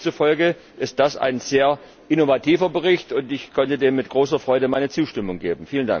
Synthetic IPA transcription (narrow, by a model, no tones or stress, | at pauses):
t͡sufɔlɡə | ʔɪst̚d̥asa̰ɪnz̥eːɐ | ʔɪnovatʰiːvɐbəʁɪçtʊntɪçkʰɔntədeːmːɪt̚ɡ̥ʁoːsɐfʁ̥ɔʏɾəmaɪnət͡suːʃtɪmʊŋɡeːbm̩fiːlənda̰ŋ